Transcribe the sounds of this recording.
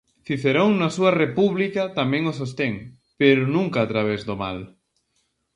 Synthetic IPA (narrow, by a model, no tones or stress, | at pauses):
fiθeɾoŋnasuarepuβlikat̪amẽŋosost̪eŋ | peɾonũŋkaːt̪ɾaβ̞ezðoma̰l